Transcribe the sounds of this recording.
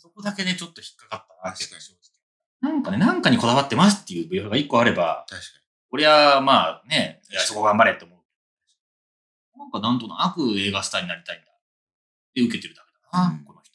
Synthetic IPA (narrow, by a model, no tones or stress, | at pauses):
so̞ko̞d̪ake̞d̪e̞t͡ɕo̞t̪ːo̞çi̥kːakat̪ːaa | nãŋkane̞nãŋkaɲ̟iko̞d̪aβat̪ːe̞masɨ̥t̪ːejɯ̟ːbɯ̟joɡaikːo̞aɾe̞ba̰t̪aɕka | o̞ɾe̞βamaːne̞aso̞ko̞ɡãmbaɾet̪ːeomo̞ɯ̟ked̪o | nãŋkanãnt̪o̞no̰aɸɯ̟e̞ːɡasɨ̥t̪aɲ̟inaɾʲit̪aĩnd̪a | d̪e̞ɯ̟ke̞t̪e̞ɾɯ̟d̪ake̞d̪anako̞no̞çi̥t̪o